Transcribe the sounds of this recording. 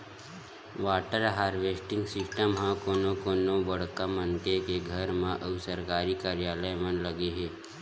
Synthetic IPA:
ʋaːʈəɾɦaːɾʋeːsʈɪ̃ŋɡsɪsʈəmɦãkoːnõkoːnõbəɽ̤kamənk̪ekeɡʱəɾmãʔəʋsəɾkaːɾikaːɾjaːləjmənləɡeɦeː

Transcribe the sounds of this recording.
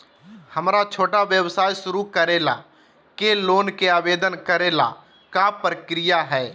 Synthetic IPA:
həmɾat͡ʃʰoːʈaʋjəwsaːjʃʊɾukəɾeːla̰ | keloːnkeaːʋeːd̪ənkəɾeːla̰ | kapɾəkɾɪjaɦɛː

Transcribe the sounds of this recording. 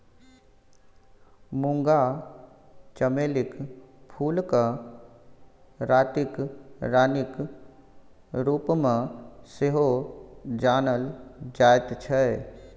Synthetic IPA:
mũŋɡa | t͡ʃəmeːlɪkpʰuːlka | ɾaːt̪ɪkɾaːnɪk | ɾuːpmẽseɦod͡ʒaːnəld͡ʒaːjt̪t͡ʃʰɛ

